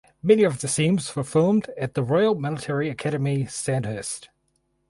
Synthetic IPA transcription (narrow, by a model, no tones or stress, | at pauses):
mɛniəvðɨsĩmz̥fəfɪlˠmdɨt̪̚ðəɹɔɪəl̩ˠmɪlˠətʰɛɹiɨkʰæɾəmisæ̃nhɜˑst